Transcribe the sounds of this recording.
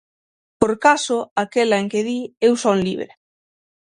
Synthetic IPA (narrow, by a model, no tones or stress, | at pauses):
poɾkasʊakelɐeŋkeðiewsɔnliβɾe